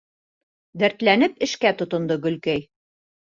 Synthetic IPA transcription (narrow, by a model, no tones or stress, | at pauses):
d̪æɾt̪lænɘpɘ̆ʃkæt̪ŏt̪ŏnd̪ɤɡɵ̆lkæj